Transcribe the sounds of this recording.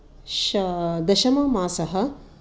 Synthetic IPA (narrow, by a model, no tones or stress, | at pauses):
ʃɐd̪ɐʃɐmɐmaːsɐɦɐ